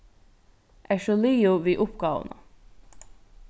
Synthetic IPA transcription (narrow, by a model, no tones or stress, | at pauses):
ʔæːʃɔlyːʊʋiːʔʊpɡ̥ɑːʋə̰nɑ̰